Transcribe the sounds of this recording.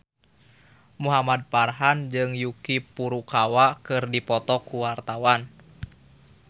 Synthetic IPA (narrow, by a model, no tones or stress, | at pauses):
muɦamad̪̚parɦand͡ʒɨŋjukipuɾukawakɨrdipɔt̪ɔkuwart̪awan